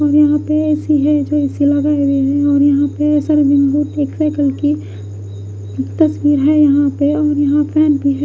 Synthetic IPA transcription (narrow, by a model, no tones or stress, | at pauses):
ɔːɾjɐɦãpeɛːsiɦɛd͡ʒoɛːsilɐɡaːeweɦɛ̃ɔːɾjɐɦãpeɛːsəɾbɪ̃ŋbuːʈeːksaːkəlki | t̪ɐswiːɾɦɛjɐɦãpeɔːɾjɐɦãpʰɛːnbʱiɦɛ